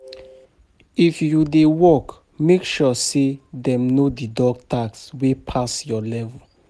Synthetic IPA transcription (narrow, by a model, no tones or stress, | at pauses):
ifjudewɔk | mekʃɔsedɛ̃mnodidɔɡ̚tʰakswepʰasjɔlɛvɔ